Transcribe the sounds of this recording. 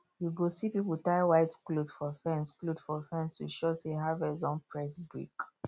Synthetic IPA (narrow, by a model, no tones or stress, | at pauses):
juɡosipipltaɪwaɪtklodfɔfɛ̃nsklodfɔfɛ̃nsṵʃɔseɦavɛzɔ̃npɹɛsbɹḭk